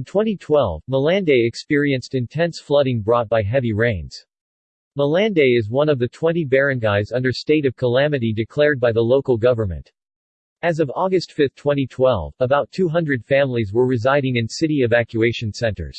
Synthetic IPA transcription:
ntʰw̥ɛ̃ɾ̃itʰw̥ɛlˠvməlæ̃ndeɪɨkspɪɹiɨ̃nstɨ̃ntʰɛ̃nsflʌɾɪ̃ŋbɹɔt̚b̥aɪɦɛviɹẽɪ̃nz̥ | məlæ̃ndeɪɨzwʌ̃nʌvðɨtʰw̥ɛ̃ñibɛɹɨ̃nɡaɪzʌ̃ndə˞steɪɾʌv̥kʰəlæmɨɾidɨkʰl̥ɛɹd̚baɪðəloʊkl̩ˠɡʌvə˞mɨ̰̃nt | ɨzʌvɔɡɨstfɪθtʰw̥ɛ̃ɾ̃itʰw̥ɛ̰lˠvəbaʊtʰʉɦʌ̃ndɹɨd̥fæ̃mlizwə˞ɹɨzaɪɾɪ̃ŋɨ̃nsɪɾiɨvækjʉeɪʃɨ̃nsɛ̃ntə̰˞z̥

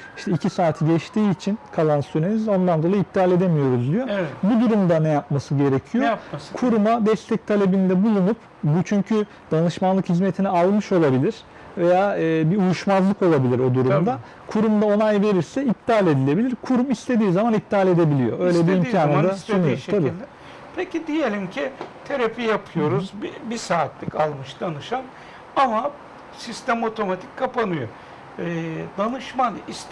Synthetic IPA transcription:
iʃt̪ɛicʰisaːt̪ʰiɟɛt͡ʃt̪ʰiːt͡ʃʰinkʰalˠansyɾenizo̞nd̪and̪o̞lˠjip̚t̪ʰiaːlʲe̞d̪emijo̞ɾuzd̪yjo̞bud̪uɾumd̪anɛjap̚masɯɟe̞ɾecʰijo̞kʰuɾumad̪ɛst̪ʰɛc̚t̪ʰalʲe̞bind̪ɛbulˠunup | but͡ʃʰyɲcʰy | d̪̥anɯʃmanlˠɯkhizmet̪ʰinɛalˠmɯʃo̞lˠabilʲiɾ̥ | ve̞jaːbiujuʃmazlˠɯko̞lˠabilʲiɾo̞d̪uɾumd̪a | kʰuɾumd̪ao̞nˠajve̞ɾiɾsɛip̪̚ʰːaːlʲe̞d̪ilʲe̞bilʲiɾkʰuɾumist̪ʰe̞d̪iːzamanip̚d̪ialʲe̞d̪e̞bilʲijo̞̰ø̞jlʲɛbiimʰʲaːnad̪asonujoabiːlʲd̪ɛ | pʰecid̪ijelʲimcʰit̪ʰeɾapijapʰɯjo̞ɾuzbbisaːt̪lʲikʰalˠmɯʃd̪anɯʃan | ama | sist̪æmo̞t̪ʰo̞mat̪ʰi̥cʲkʰːapanɯjo | d̪anɯʃmanis

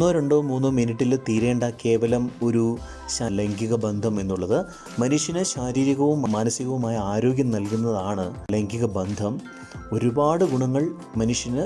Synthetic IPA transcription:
oːɾe̞ɳɖoːmuːnːɨminiʈːilt̪iːɾe̞ːɳɖɐke̞ːʋɐlɐmo̞ɾu | ɕaleŋɡiɣɐbɐnd̪ʱɐmenːuɭːɐðɨ | mɐnuʂjɐnɨɕaːɾiːɾiɣɐʋumːmːaːnɐsiɣɐʋumaːjɐaːɾo̞ːɡʲjɐmnɐlkunːɐðaːɳɨle̞ŋɡiɣɐbɐnd̪ʱɐm | o̞ɾubaːɽɨɡuɳɐŋːɐɭ | mɐnuʂjɐnɨ

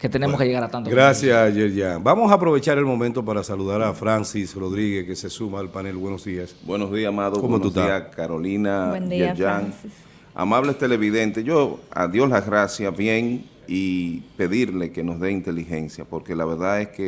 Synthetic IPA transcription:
ket̪enemoskeʝeɣaɾat̪ant̪oɡɾasjasʝeɾʝaŋbamo̞saːpɾo̞βe̞t͡ʃaɾe̞lmo̞mẽnt̪o̞paɾasaluðaɾafɾansisro̞ðɾiɣekese̞sumaːlpanelβwenozðiasbwe̞nozðiasamaðowmenuiakaɾo̞linad͡ʒeɾʝaŋ | a̰maβlest̪e̞le̞βiðe̞nt̪e̞ʝo̞a̰ðjo̞slaɣɾasjasβje̞ŋ | ipe̞ðiɾle̞ke̞no̞zðeint̪e̞lixe̞nsjapo̞ɾke̞laβe̞ɾðaðe̞ske

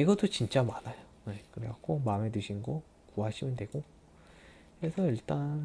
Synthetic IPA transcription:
iɡʌt͈ot͡ɕint͡ɕ͈amanajʌnekɯɾeak͈omamedweɕʰinɡʌ | kuɦaɕʰimɯndweɡ̥o | kesʰʌiɭt͈an

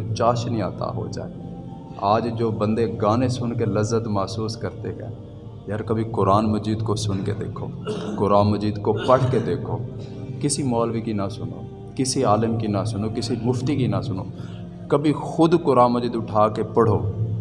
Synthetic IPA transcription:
t͡ʃaːʃnĩa̰ːt̪a̰ɦo̰d͡ʒa̰ːḛ | aːd͡ʒd͡ʒoːbə̃nd̪eɡaːnesʊnkeləzːət̪maːsuːskəɾt̪ekɛ̰ː | jəɾkəbʱikʊɾaːnməd͡ʒiːd̪kosʊnked̪ḛːkʰo̰ːkʊɾaːnməd͡ʒiːd̪kopəɽked̪eːkʰo̰ː | kɪsimɔːlbʱikinasʊno̰ː | kɪsiaːlɪmkinasʊnokɪsimʊft̪ikinasʊno̰ː | kəbʱixʊd̪kʊɾaːnməd͡ʒiːd̪ʊʈʰaːkepəɽ̤oː

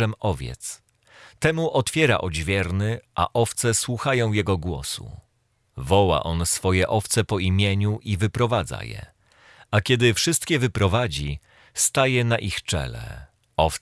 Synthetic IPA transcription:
ɛmɔvʲjɛ̰t̪s | t̪ɛmuʔɔt̪fʲjɛɾa̰ʔɔd͡ʑvʲjɛɾnɘʔa̰ʔɔft̪sɛswuxajɔ̃w̃jɛɡɔɡwɔ̰sṵ | vɔwa̰ʔɔnsfɔjɛʔɔft̪sɛpɔimʲjeɲuʔivɘpɾɔvad̪za̰jɛ̰ | akʲɛd̪ɘfʂɘst̪kʲɛvɘpɾɔvad͡ʑi | st̪ajɛnaʔixt͡ʂɛ̰lɛ̰ | ɔf

